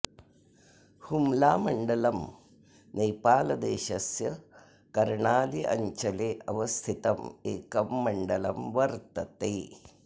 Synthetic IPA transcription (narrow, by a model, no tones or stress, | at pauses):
humlaːmɐɳɖɐlɐm | neːpaːlɐd̪eːʃɐsjɐ | kɐɾɳaːliʔɐ̰ɲt͡ʃɐleːʔɐʋɐst̪ʰit̪ɐmeːkɐmːɐɳɖɐlɐmʋɐɾt̪ɐt̪eː